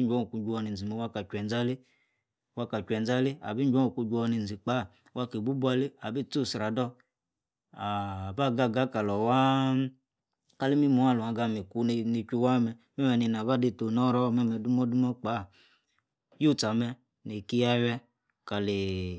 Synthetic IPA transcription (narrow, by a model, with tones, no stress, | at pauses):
d͡ʒʷɔ˦˨ku˧˦ɡu˧˦wɔ˧ni˨d͡zi˨mɛ˨wa˦ka˨kʷɛ˨n˦d͡za˦li˦ | wa˦ka˨kʷɛ˨nd͡za˦li˦a̰˨bi˦d͡ʒʷɔ˦u˨ku˧d͡ʒu˧˦ɔ˧ni˨nd͡zi˨k͡pa˨˦˨ | wa˧ki˨bu˦bu˦a˦li˦a˨bi˦˨t͡su˦˨sɾa˨dɔ˦ | a˨ba˦˨ɡa˦˨ɡa˦ka˨lɔ˨wa˦ | ka˦li˦mi˦mu˨˦a˦˨lu˨a˨ɡa˧mi˨ku˦˧ni˧kʲi˧wa˦mɛ˧ | mɛ˦mɛ˨ni˧˨n˨a˨ba˦di˦˨to˨nɔ˦ɾɔ˦mɛ˦mɛ˨du˦mɔ˦du˦mɔ˦k͡pa˨˦˨ | ju˦˨t͡sa˨mɛ˧ | ni˨ki˦ja˦wɛ˦ | ka˨li˨